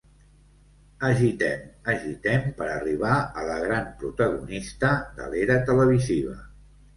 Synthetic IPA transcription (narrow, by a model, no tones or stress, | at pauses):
əʒit̪ɛməʒit̪ɛmpəɾəriβ̞aələɣ̞ɾampɾut̪əɣunist̪əd̪ə̰leɾət̪ələβ̞iziβ̞ə̰